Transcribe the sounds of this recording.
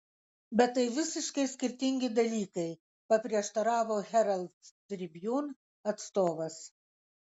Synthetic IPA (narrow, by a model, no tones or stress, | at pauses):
bʲɛt̪ːɐɪʋʲɪsʲɪʃkɐɪsʲkʲɪɾʲt̪ʲɪŋʲɡʲɪd̪ɐlʲiːkɐɪ | pɐpʲɾʲiɛʃt̪ɐɾɑːʋoːɣʲɛɾɐlʲˠt̪d̪ʲɾʲɪbʲjuːn | ɐt̪st̪oːʋɐs